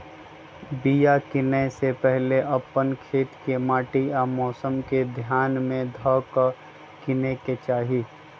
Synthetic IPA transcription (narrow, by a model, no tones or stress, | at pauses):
bijakɪnesepɛɦleʔɐpːənkʰeːt̪kemaːʈiamɔːsəmked̪ʱjaːnmẽd̪ʱɔk | kɪneket͡ʃaːɦi